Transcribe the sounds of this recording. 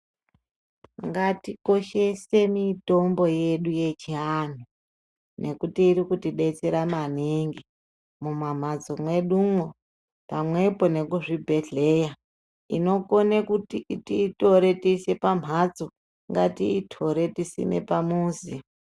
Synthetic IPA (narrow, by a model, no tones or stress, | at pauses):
ŋɡatiko̞ʃe̞se̞mito̞mbo̞jeɗuje̞t͡ʃian̤u | nʔe̞kutiːɾikutiɗe̞t͡seɾamaniŋɡi | mumam̤ad͡zomwe̞ɗuŋo | pamwe̞po̞ne̞kuʐibʱe̞ɮe̞ja | ḭno̞konekutitito̞ɾe̞tisepam̤ʱad͡zo | ŋɡatiːtʰo̞ɾe̞tisḭne̞̰pamuːzi